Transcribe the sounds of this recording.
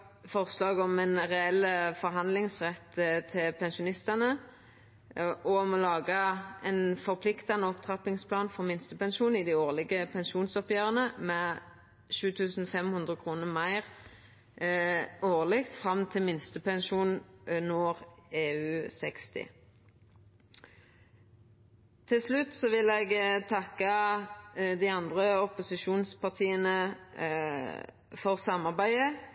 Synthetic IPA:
fɔʁslɑːɡɔmɛnʁɛɛlːəfɔʁɦɑnd̪lɪŋsʁɛt̪ːt̪ʰɪlpʰɛnʃʊnɪst̪ɑnə | ʔɔmɔlɑːɡəɛnfɔʁpʰlɪkt̪ɑnəɔpt̪ʰʁɑpɪŋspʰlɑːnfɔʁmɪnst̪əpɛnʃuːnɪd̪ioːʁlɪɡəpʰɛnʃuːnsɔpjøːʁənəmɛ | ʃʉːt̪ʰʉːsn̩ɔfɛmhʉnd̪ʁəkʰʁuːnəmæɪʁ | oːʁlɪk̚t̪fʁɑmt̪ʰɪlmɪnst̪əpɛnʃuːnnɔːʁeːʉːsɛkst̪ɪ̰ | t̪ʰɪlslʉt̪ːsɔʋɪlɛːɡt̪ʰɑkːɑ | d̪iɪɑnd̪ʁəɔpʊsɪʃuːnspɑʁt̪ʰiːənə | fɔʁsɑmɑʁbæɪə

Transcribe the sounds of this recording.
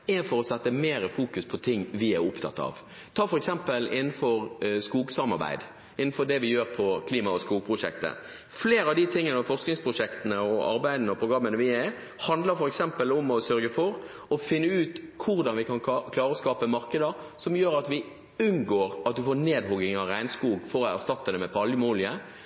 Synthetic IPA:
ɛfɔɾɔsɛt̪ːəmeːɾəfuːkʉspʰɔt̪ʰɪŋːʋɪæɾʊpt̪ʰɑ̰t̪ːɑ̰ʋ | t̪ʰɑːfɔɾɛksɛmpəlɪnːən̩fɔɾskuːɡsɑmɑ̰ɾbæ̰ɪd̪ | ɪnn̩fɔɾd̪ɛʋɪjøːɾpʰɔkʰliːmɑɔskuːɡ̚pʰɾʊʂɛ̰k̚t̪ə̰ | fleːɾɑʋd̪ɪt̪ʰɪŋːənɑfɔʁsknɪŋspʰɾʊʂɛkt̪ənəɔɑ̰ɾbæɪd̪ənəɔpʰɾʊɡɾɑmːənəʋɪæ | hɑnd̪ləɾfɔɾɛksɛmpəlɔmɔsœɾɡəfɔɾ | ɔfɪnːəʉːt̪kʰʊɾd̪ɑnʋɪkʰɑnkʰlɑːɾəɔskɑːpəmɑɾkəd̪əsɔmjøːɾɑt̪ʋɪ | ʉnɡoːɾɑt̪̚d̪ʉfoːɾneːd̪hɔɡɪŋɑʋɾæɪnskuːɡfɔɾɔæɾst̪ɑt̪ːəd̪ɛmɛpʰɑljəmuːlɪə

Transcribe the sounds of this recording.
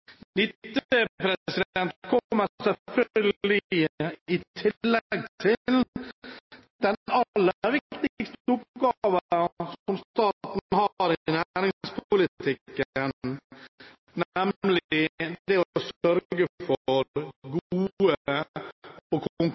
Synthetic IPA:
nɪtt̪ːpɾɛsɪd̪ɛnt̪kʰɔmːəsɛfœɡlɪəɪt̪ʰɪlːɛɡt̪ʰɪl | d̪̥ɛnɑlːəɾʋɪkt̪ɪɪɡst̪əʉp̚ɡɑːʋəsɔmst̪ɑːtt̪n̩hɑɾɪnæɾɪŋspʰʊlɪt̪ʰɪkːən | nɛmlɪɪd̪ɛɔsœɾɡəfɔɔɾɡuuːə | ɔkʰʊŋk

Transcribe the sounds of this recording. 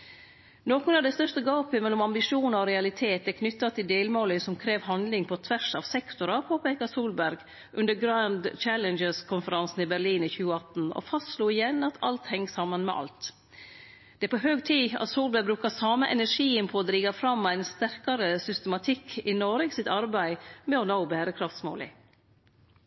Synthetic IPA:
noːkʊnɑʋd̪æst̪œʂt̪əɡɑːpəmɛlːɔmɑmbɪʂuːnɑɔɾɛɑlɪt̪ʰeːt̪ɛkʰnʏt̪ːɑt̪ʰɪld̪eːlmoːləsɔmkʰɾeːʋhɑnd̪lɪŋpʰɔt̪ʰʋæʂɑːʋsɛkt̪ʊɾɑpʰoːpeːkɑsuːlbæɾɡ | ʔʉnd̪əɾɡɾɑnd̪t͡ʃælənd͡ʒəskʰʊnfəɾɑnsn̩ɪbæɾɭiːnɪçʉːəɑt̪n̩ɔ̰fɑst̪sluːɪjɛnɑt̪ʰɑ̰lt̪hɛŋːsɑmːənmɛ̰ʔɑ̰lt̪ | d̪̥ɛpʰɔɦøːɡt̪ʰiːɑ̰t̪suːlbæɾbɾʉːkɑsɑːməʔɛnæʂiːənpʰɔd̪ɾiːɡɑfɾɑmæɪnst̪æɾkɑɾəsʏst̪ɛmɑt̪ʰɪkʰːɪnɔɾəɡsɪt̪ɑɾbæɪmɛɔnoʊbæːɾəkʰɾɑft̪smo̰ːlɪ̰

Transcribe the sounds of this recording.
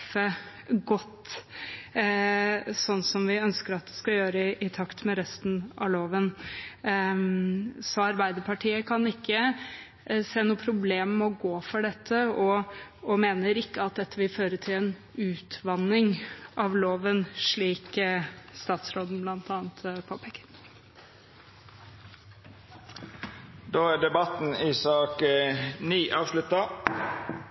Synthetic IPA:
ə | ɡɔt̪ː | sɔnːsɔmʋɪœnskəɾɑt̪̚d̪ɛskɑjøːɾəʔɪt̪ʰɑkt̪mɛɾɛst̪n̩ɑ̰loːʋən | sɔɑɾbæɪd̪əpʰɑʈʰiːəkʰɑnɪkːə | seːnuːəpʰɾʊbleːmːɛɔɡoːfɔɖɛt̪ʰːəɔɔmeːnəɾɪkːəɑt̪̚d̪ɛt̪ʰːəʋɪlføːɾəʈʰɪlɛnʉːt̪ʰʋɑnːɪŋʔɑʋloːʋənʂɭiːkst̪ɑːt̪sɾoːd̪n̩blɑnt̪ʰɑːnt̪pʰoːpʰɛkːəɾ | d̪oːæːɖɛbɑt̪n̩ɪːsɑːkniːʔɑːʋʂlʉt̪ɑ

